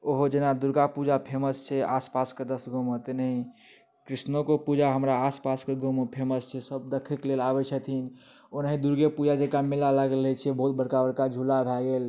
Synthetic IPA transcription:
oɦod͡ʒenad̪uɾɡapud͡ʒapʰeməst͡ʃʰɛaspasked̪əsɡʱomət̪nəɦĩ | kɾisnokopud͡ʒaɦəmɾaːspaskeɡʱompʰeməst͡ʃʰɛsəbd̪əkʰɛklelabɛt͡ʃʰət̪ʰin | onaɦĩd̪uɾɡepud͡ʒad͡ʒekamilaləɡelɛt͡ʃʰɛbəɦut̪̚bəɽkabəɽkad͡ʒʱulabʱɛɡel

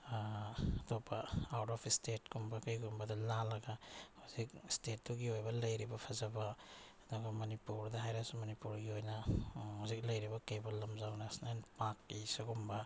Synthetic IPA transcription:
tɔpaawtɔpʰistet̚kumbakajɡumbɐdɐlalɐɡahuzik̚stet̚duɡiojbɐlɐjɾibɐpʰazɐbaː | duɡɐmɐnipuɾdɐɦajɾasumɐnipuɾɡiojnahuzik̚lɐjɾibɐkejbɐlːɐmzawnasnajnpakːisuɡumba

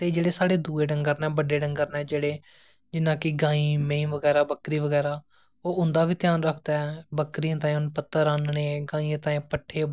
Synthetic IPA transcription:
t̪eːd͡ʒeːɽeːsaːɽeːd̪uːeːɖəŋɡəɾnɛ̃ːbəɖeːɖəŋɡəɾnɛːd͡ʒeːɽeː | d͡ʒɪnãːkɪɡãːiːmẽĩːʋəɡɛːɾaːbəkɾiːʋəɡɛːɾaː | oːʊnd̪aːʋiːt̪ɪjaːnɾəkʰd̪aːɛbəkɾiãːt̪ãːʊnpət̪ːəɾãːnɳeːɡãːiːãːt̪ãːĩːpəʈʰːeː

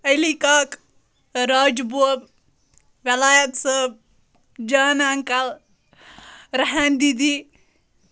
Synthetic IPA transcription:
ɐlikaːk | ɾaːd͡ʒbub | ʋɐlaːjɐt̪səb | d͡ʒaːnaŋkɐl | ɾɐɦɐnd̪id̪i

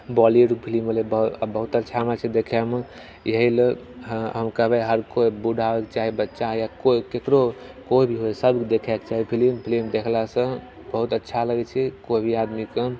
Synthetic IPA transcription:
bɔlieɖpʰiliməlebəbəɦut̪ətːʃʰamət͡ʃʰɛd̪ekʰɛme | jəɦileɦɦəmkəbeɦəɾkoibuɖʱabekt͡ʃaɦibətːʃajakoikekɾokoibʱiɦojsəbʱkd̪ekʰɛkt͡ʃaɦipʰilimpʰilimd̪ekʰlasə̃ | bəɦut̪ətːʃʰaləɡɛt͡ʃʰɛkoibʱiad̪mikə

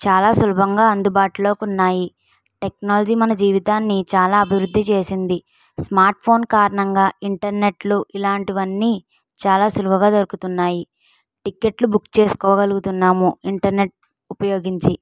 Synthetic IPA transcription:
t͡ʃaːlaːsɐlubʱɐŋɡaːɐnd̪ubaːʈulo̞ːkunːaːji | ʈe̞knaːlɐd͡ʒiːmɐnɐd͡ʒiːʋit̪aːnːit͡ʃaːlaːɐbʱiʋɾud̪ːit͡ʃe̞ːsind̪i | smaːɾʈ̚pʰo̞ːnkaːɾɐɳɐŋɡaːiɳʈɐɾne̞ʈluʔilaːɳʈiʋɐnːiː | t͡ʃaːlaːsulubʱɐɡaːd̪ɐɾukut̪unːaːji | ʈikːe̞ʈlubukːt͡ʃe̞ːsu̥kɔːɐɡɐluɡut̪unːaːmuiɳʈɐɾne̞ʈ̚ | upɐjo̞ːɡiɲt͡ʃi

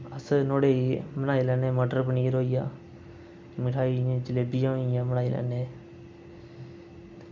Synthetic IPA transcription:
əsnoːɽeːimənaːilɛːneːməɖəɾpəniːɾɦoːijaː | mɪʈʰaːĩd͡ʒɪleːbijãːɦoijãːmənaːilɛ̰ːneː

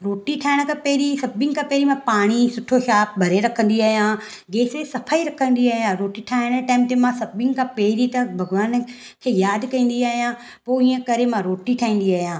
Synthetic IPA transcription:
ɾoːʈiʈʰaːɪɽ̃kʰãːpeːɾisɐbɪ̃ŋkʰãpeːɾimãpaːɽ̃isʊʈʰoʃaːp̚bʱɐɾeɾɐkʰə̃n̆d̪iaːɦjãː | ɡeːsesɐpʰaːiɾɐkʰə̃nd̪iaːɦijãɾoːʈiʈʰaːɪɽ̃ʈaːmt̪emãsɐbɪ̃ŋkʰãpeːɾit̪ɐbʱɐɡʋaːn | kʰeːjaːd̪kɐ̃ĩːn̆d̪iaːɦijã | poːiːə̃kɐɾemãɾoːʈiʈʰaːĩːn̆d̪iaːɦjãː

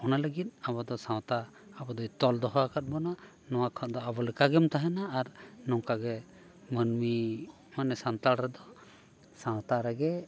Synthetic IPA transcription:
ɔnaləɡit̪̚abɔd̪ɔsãwt̪aː | bɔd̪ɔjt̪ɔld̪ɔɦakat̪̚bɔna | nɔwakʰɔt̪̚d̪ɔabɔlɛkaɡɛmt̪aɦɛnaːɾnɔŋkaɡɛ | mənmi | manɛsant̪alɾɛd̪ɔ | sãw̃t̪aɾɛɡɛ

